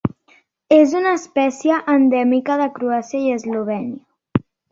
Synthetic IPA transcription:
ezunaːspɛsjəʔːnd̪ɛmikaðəkɾuasjaiəzloβ̞ɛnia

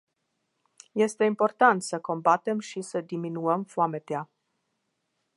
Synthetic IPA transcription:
je̞st̪e̞impo̞rt̪ant̪səko̞mbat̪e̞mʃisəd̪iminuəmfoame̞t̪ea

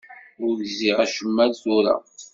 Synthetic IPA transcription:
ʊʝziʁæʃəmːælθuɾa̰

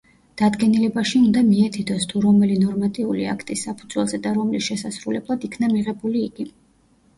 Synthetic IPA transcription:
d̪̥ad̪ɡɛnilɛbaʃiund̪amiɛt̪ʰid̪ɔst̪ʰuɾɔmɛlinɔɾmat̪ʼiulḭa̰kʰt̪ʼisːapʰu̥d̪z̥wɛ̰lˠzɛd̪aɾɔmlisʃɛsasɾulɛblˠad̪ikʰnamiʁɛbuliːɡ̥i

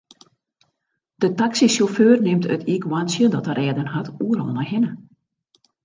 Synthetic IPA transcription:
d̥ətaksisoføːrnɪmtʰə̰tʰikwansjədɔtərʔɛːdənhatuəɾɔ̰lˠnaɦɪnə

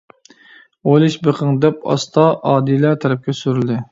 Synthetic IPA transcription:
ojlˠɨʃbeqʰəŋd̪ɛpɑ̰st̪ʰɑʔɑːd̪ilæt̪ʰɛɾɛp̚kʲʰɛsyɾyld̪ɪ

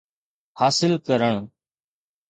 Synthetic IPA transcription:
haːsɪlkəɾəɳ̃

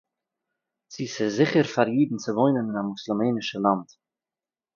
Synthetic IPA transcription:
t͡siːsɪzɪχəɾfaɾjiːdn̩t͡səvoɪnənɪnamʊslˠɪmeːnɪʃəlˠant

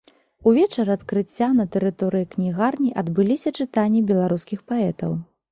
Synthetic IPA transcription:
uvʲɛt͡ʂɐɾɐt̪kɾɨt͡sʲːanɐt̪ɛɾɨt̪ɔɾɨjiknʲiɣarnʲiʔɐd̪bɨlʲisʲɐt͡ʂɨt̪anʲːibʲɛlˠaɾuskʲixpaɛt̪ɐ̰w

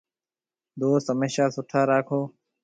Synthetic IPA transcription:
d̪oːst̪ɦəmeːʃaːsʊʈʰaːɾaːkʰoː

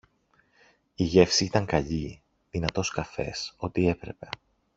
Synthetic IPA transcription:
iʝe̞fsiit̪ɐŋkɐʎi | ðinɐt̪o̞skɐfe̞̰so̞t̪ie̞pɾe̞̰pe̞

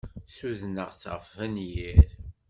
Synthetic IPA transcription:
suðnəʁt͡sːʁfvænjið

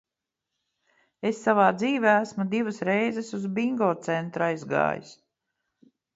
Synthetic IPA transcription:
esːavaːd̪ziːvʲeæsmud̪ivɨsɾɛjzesuzbiŋɡɔːt̪sent̪ɾajzɡa̰ːjḭs

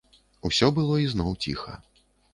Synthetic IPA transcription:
usʲɔbɨlˠɔiznɔwt͡sʲḭxɐ̰

